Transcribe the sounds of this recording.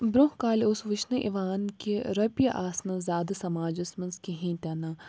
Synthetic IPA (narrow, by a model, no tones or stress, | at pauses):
bɾoɦkaːlʊsʋɪʃnɨʔḭʋaːnkeɾɐpjɐʔaːsnɐzaːd̪sɐmaːd͡ʒɐsmɐnzkeɦĩːt̪ɐna